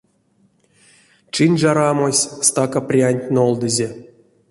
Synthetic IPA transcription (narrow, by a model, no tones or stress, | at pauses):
t͡ʃɨnʲʐaɾamosʲst̪akaprʲianʲtʲnolˠd̪ɨzʲe